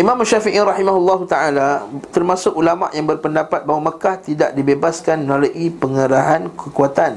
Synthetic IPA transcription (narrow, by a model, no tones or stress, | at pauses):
ʔimãmuʃafiʔiɾɑħimaɦulːɑɦut̪aʔalat̪ərmasʊk̚ulama̰ʔjaŋbərpəndapat̪̚baɦwaməkaht̪idaʔdibebaskanmənaloʔipəŋəɾaɦankəkuat̪an